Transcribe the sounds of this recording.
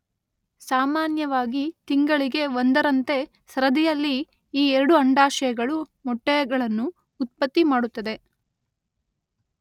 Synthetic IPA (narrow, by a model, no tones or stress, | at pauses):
saːmaːnjɐʋaːɡit̪iŋɡɐɭiɡe̞ond̪ɐɾɐnt̪e̞ | sɾɐd̪ijɐlːi | iːɛɾɐɽuɐɳɖaːʃɐjɐɡɐɭumɔʈːɛjɐɡɐɭɐnːuː | t̪̚pɐt̪ːimaːɽut̪ːɐd̪e̞